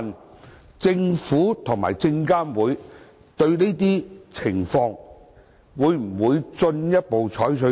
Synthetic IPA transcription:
n | t͡sɪ˧ŋfuː˨˥t̪ʰʊ˨˩ŋma̰ː˨˩jt͡sɪ˧ŋkaː˥nwuː˨˧˥j | t̪ɵ˧ɥne˥t̪iː˥t͡sʰɪ˨˩ŋfɔː˧ŋ | wuː˨˧jm̩˨˩wuː˨˧jt͡sɵ˧njɐ˥t̚po˨wt͡sʰɔː˨˥jt͡ʃʰɵ˨˧˥

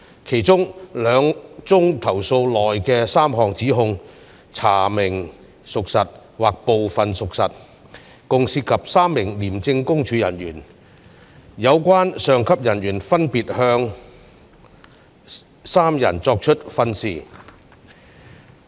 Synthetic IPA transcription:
kʰe˨˩jt͡sʊ˥ŋlœː˨˧ŋt͡sʊ˥ŋt̪ʰɐ˨˩wso˧wlɔː˨˩jkɛː˧saː˥mɦɔː˨ŋt͡siː˨˥ɦʊ˧ŋ | t͡sʰa̰ː˨˩mɪ˨˩ŋ | sʊ˨k̚sɐ˨t̚waː˨k̚po˨wfɐ˨nsʊ˨k̚sɐ˨t̚ | kʊ˨ŋsiː˧t̚kʰɐ˨p̚saː˥mːɪ˨˩ŋliː˨˩mt͡sɪ˧ŋkʊ˥ŋt͡ʃʰyː˨˥jɐ̰˨˩njyː˨˩n | jɐ˨˧wkʷwaː˥nsœː˨ŋkʰɐ˥p̚jɐ˨˩nɥyː˨˩nfɐ˥npiː˨t̚hœː˧ŋ | saː˥mjɐ̰˨˩nt͡sɔː˧k̚t͡ʃʰɵ˥t̚fɐ˧nsiː˨˩

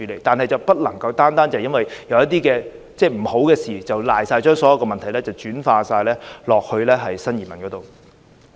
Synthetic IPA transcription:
yː˨˥lḛ˨˩jt̪aː˨nɦɐ˨jt͡sɐ˨˩wpɐ˥t̚lɐ˨˩ŋkɐ˧wt̪aː˥nt̪aː˥nt͡sɐ˨jɐ˥nwɐ˨jjɐ˨˧wjɐ˥t̚t̪iː˥kɛː˧ | t͡sɛː˥˩m̩˨˩ho˨˥wkɛː˧siː˨t͡sɐ˨wlaː˨jsaː˧jt͡ʃœː˥ŋsɔ˨˥jɐ˨˧wkɔː˧mɐ˨nt̪ʰɐ˨˩jlɛː˥t͡sɐ˨˩wt͡ʃyː˨˥nfaː˧saː˧jlɛː˥lɔː˨k̚hɵ˧ɥlɛː˥ɦɐ˨jsɐ˥nji˨˩mɐ˨˩nkɔ˨˥to˨w

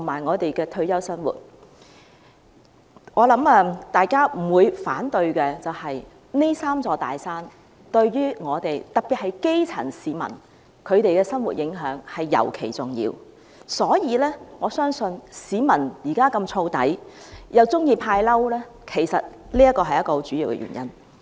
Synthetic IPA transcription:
t̪ʰʊ˨˩maː˨jŋɔː˨˧t̪e˨jkɛː˧t̪ʰɵ˧ɥjɐ˥wsɐ˥nwṵː˨˩t̚ | ŋɔː˨˧lɐ˨˥mɐ˧t̪aː˨jkaː˥m̩˨˩wuː˨˧jfaː˨˥nt̪ɵ˧ɥkɛː˧t͡sɐ˨whɐ˨j | ne˥jsaː˥mt͡sɔː˧t̪a̰ː˨jsaː˥n | t̪ɵ˧ɥjyː˥ŋɔː˨˧t̪e˨jt̪ɐ˨k̚piː˨t̚hɐ˨jke˥jt͡sʰɐ̰˨˩nsiː˨mɐ̰˨˩n | kʰɵ˨˧ɥt̪e˨jkɛː˧sɐ˥nwṵ˨˩t̚jɪ˨˥ŋɦœː˨˥ŋhɐ˨jːɐ̰˨˩wkʰe˨˩jt͡sʊ˨˩ŋjḭː˧w | sɔː˨˥jiː˧lɛː˥ŋɔː˨˧sœː˥ŋsɵ˧nsiː˨˧mɐ˨˩njiː˨˩kaː˥kɐ˧mt͡sʰo˧wt̪ɐ̰˨˥jjɐ˨˧wt͡sʊ˥ŋjiː˧pʰaː˧jlɐ˥wlɛː˥ | kʰe˨˩jsɐ˨t̚ | liː˥jɐ˥tkːɔː˧ɦɐ˨jɐ˥kːɔː˧t͡syː˨˥jiː˧wkɛ̰˧ɥy̰˨˩njɐ˥n

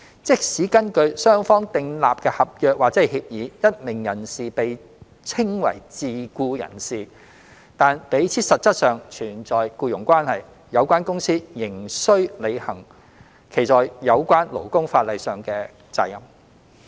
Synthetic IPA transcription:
t͡sɪ˥k̚siː˨˥kɐ˥nkɵ˧ɥsœː˥ŋfɔː˥ŋt̪ɪ˨˧ŋlaː˨p̚kɛː˧hɐ˨p̚jœː˨k̚waː˨k̚t͡sɛ˨˥˩jhiː˧p̚jiː˨˥jɐ˥t̚mɪ˨˩ŋjɐ˨˩nsiː˨pe˨j | t͡sʰɪ˥ŋwɐ̰˨˩jt͡siː˨kuː˧jɐ̰˨˩nsiː˨ | t̪aː˨npe˨˥jt͡sʰiː˨˥sɐ˨t̚t͡sɐ˥t̚sœː˨ŋt͡ʃʰyː˨˩nt͡sɔː˨jkuː˧jʊ˨˩ŋkʷaː˥nhɐ˨j | jɐ˨˧wkʷaː˥nkʊ˥ŋsiː˥jɪ˨˩ŋsɵ˥ɥle˨˧jhɐ˨˩ŋ | kʰe˨˩jt͡sɔː˨jjɐ˨˧wkʷaː˥nlo̰˨˩wkʊ˥ŋfaː˧t̚lɐ˨jsœː˨ŋkɛː˧ | t͡sa̰ː˨˩jɐ̰˨˩m

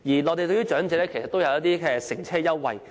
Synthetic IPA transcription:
jiː˨˩ŋɔː˨˧t̪e˨jt̪ɵ˧ɥyː˥t͡ʃœː˨˥ŋt͡sɛː˨˧˥lɛː˥kʰe˨˩sɐ˨t̪ːwjɐ˧wjɐ˥t̪̚iː˥kɛː˧sɪ˨˩ŋt͡sʰɛː˥jɐ˥wːɐ̰˨˧j

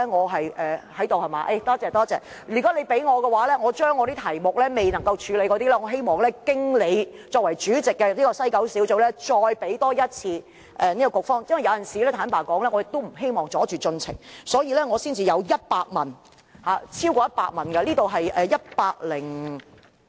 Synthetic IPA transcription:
ɛ˥ŋɔː˨˧ɦɐ˨jʔɛː˨hɐ˨˥jt̪o˨whɐ˨˩maː˨ʔe˥˧˩t̪ɔː˥t͡sɛː˨˧t̪ɔː˥t͡sɛː˨˧ | jyː˨˩kɔ˨˥le˨˧jpe˨˥jŋɔː˨˧kɛ˧waː˨˥lɛː˥ŋɔː˨˧t͡ʃœː˥ŋːɔː˨˧ɾiː˥t̪ʰɐ˨˩jmʊ˨k̚lɛː˥me˨jnɐ˨˩ŋkɐ˧wt͡ʃʰyː˨˧le˨˧jkɔː˨˧t̪i˥lɛː˥ŋɔː˨˧ɦe˥jmɔː˨˩ŋlɛː˥kɪ˥ŋle˨˧jt͡sɔː˧k̚wɐ˨˩jt͡ʃyː˨˥t͡sɪ˨kːɛ˧niː˥kɔː˧sɐ˥jkɐ˨˥wsi˨˥wt͡so˨˧wlɛː˥t͡ʃɔː˧jpe˨˥jt̪ɔː˥jɐ˥t̚t͡sʰiː˧ | ʔɛ˨niː˥kɔ˨kʊ˨k̚fɔː˥ŋjɐ˥nwɐ˨jɐ˨˧jɐ˨nsiː˨˩lɛː˥t̪ʰaː˨˥npaː˨˩kɔː˨˥ŋlɛː˥ŋɔ˨˧jɪ˨˩t̪ːo˥m̩˨˩ɦe˥jmɔː˨˩ŋt͡sɔː˨˥t͡ʃyː˨t͡sɵ˧nt͡sʰɪ̰˨˩ŋsɔː˨˥jiː˧lɛː˥ŋɔː˨˧siː˥nt͡siː˨jɐ˨˧wjɐ˥t̚paː˧k̚mɐ˨˩n | haː˨˧t͡sʰiː˥wkɔː˧jɐ˥t̚pa̰ː˧k̚mɐ˨nkɛ˧liː˥t̪o˨wɦɐ˨jʔɛː˨jɐ˥t̚paː˧k̚lɪ˨˩ŋ

